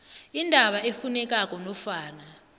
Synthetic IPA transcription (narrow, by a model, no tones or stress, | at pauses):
indʱaɓaefunɛk̬ʼak̬ʼɔnɔfaːna